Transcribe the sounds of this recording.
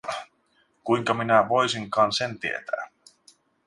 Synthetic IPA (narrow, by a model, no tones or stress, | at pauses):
kujŋkɑminæʋo̞jsiŋkɑːnse̞nt̪ie̞̰t̪æ̰ː